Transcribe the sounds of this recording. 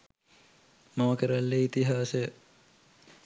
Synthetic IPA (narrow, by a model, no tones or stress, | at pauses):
mɐməkəɾalːeit̪iɦaːsə